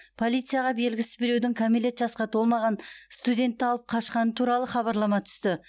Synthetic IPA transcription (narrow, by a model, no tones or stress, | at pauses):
pʰo̞lˠijt̪sɨjɑʁɑbe̞lɡʲɪsɪzbeɾewd̪ɪŋkʰomele̞t̪ʒɑsqɑt̪ʰo̞lˠmɑʁɑnst̪ud̪ʲe̞nt̪ːɪɑlˠəp̚qʰɑʃqɑnət̪ʰuɾɑlˠəχɑβɑɾlˠɑmɑt̪ʰʏ̥st̪ɪ